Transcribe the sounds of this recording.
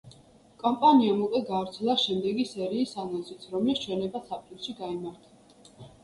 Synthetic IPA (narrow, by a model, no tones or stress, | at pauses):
kʼɔmpʼaniamukʼwɛɡaːvɾt̪sʰɛlˠaʃɛmd̪ɛɡisɛɾiːsanɔnzit̪sʰɾɔmlist͡ʃʰwɛnɛbasʰapʼuɾʃiɡaimaɾt̪ʰḁ